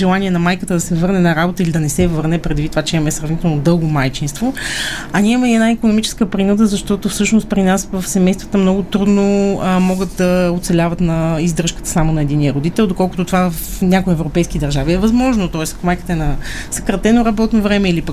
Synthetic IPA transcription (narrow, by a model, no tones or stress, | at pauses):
ʒɛlˠaniɛnɐmajkət̪əd̪ɐsɛvɤɾnɛnɐɾabot̪əilid̪ɐnɛsɛvəɾnɛpɾɛd̪vit̪t̪ːovat͡ʃɛimɐmɛsɾɐvnit̪ɛlˠnod̪ɤlˠɡomajt͡ʃinst̪voɐnʲiɛimɐiɛd̪naikonomit͡ʃɛ̥skəpɾinud̪əzɐʃt̪ɔt̪ofsɤʃnost̪̚pɾinasvɐfsɛmɛjst̪və̥t̪əmnɔɡʊt̪ɾud̪nomɔɡət̪̚d̪ɐot̪sɛlʲavət̪nɐizd̪ɾəʃkə̥t̪ə̥samonɐɛd̪inijəɾod̪it̪ɛlˠd̪okɔlˠkʊt̪ot̪ovavvfnʲakoiɛvɾopɛjskid̪ɐɾʒaviɛvɐzmɔʒnot̪ɔɛsɐ̥komajkət̪əɛnɐ | sɐkɾɐt̪ɛnoɾɐbɔt̪novɾɛmɛilipək